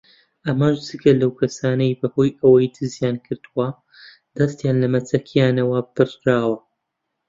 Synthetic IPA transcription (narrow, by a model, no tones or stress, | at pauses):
ʔɐmaʒd͡zɨɡɐlɐwkʰɐsaːnɐjbɐhoːjɐwɐjd̪ʰɨzjaːnkʰɨɾd̪uwɐ | d̪̥ɐst̪jaːnlɐmɐt͡sɐkʰjaːnɐwɐb̥ɨrɾaːwɐ